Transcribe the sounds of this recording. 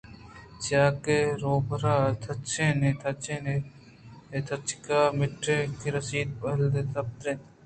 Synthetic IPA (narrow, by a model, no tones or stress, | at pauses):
t͡ʃaːkeːɾoːbɾaːt̪ʰɐt͡ʃeːneːt̪ʰɐt͡ʃeːne | et̪ʰɐt͡ʃkaːmɪʈɾeːkiɾɐsiːd̪̚pɐld̪et̪ɐp̚t̪ɾen